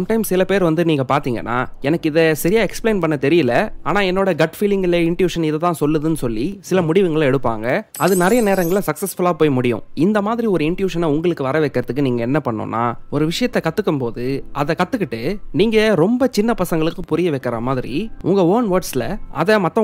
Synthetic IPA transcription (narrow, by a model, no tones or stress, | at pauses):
mʈɐɪmsɪlɐpeːɾʋɐnd̪ɯniːŋɡɐpaːɾt̪iːŋɡɐ̰nːa̰ːɛnɐkːɪðɛsɛɾɪjaːɛksplẽɪːnpɐɳːɐt̪ɛɾɪjɪlɐaːnaːɛnːoːɽɐɡɐʈfiːlɪŋɡɪlɐɪɳʈjuːʂɐnɪðɐt̪ãːsɔlːɯðɯnɯsɔlːisɪlɐmʊɽɪʋɯŋɡɐɭɛɽɯpːa̰ːŋɡɐɐðɯnɪɾɐjɐneːɾɐŋɡɐɭsɐksɛsfʊlaːpoːjmʊɽɪjʊ̰̃ɪnd̪ɐmaːðɪɾiɔɾɯɪɳʈjuːʂɐnaʊŋɡɐɭɯkːɯʋɐɾɐʋɛːkːɪɾɐðɯkːɯniːŋɡɐɛnːɐpɐɳːʊ̰̃ːnːa̰ːɔɾɯʋɪʂɐjɐt̪ːɛkɐt̪ːɯkːɯmpoːðɯɐðɛkɐt̪ːɯkːɪʈːɯniːŋɡɐɾɔmbɐt͡ʃɪnːɐpɐsɐŋɡɐɭɯkːɯpʊɾɪjɐʋɛːkːɪɾamaːðɪɾḭʔʊŋɡɐoːnʋɐːɾɖsɪlɐɐ̰ðɛmɐt̪ːɐ̃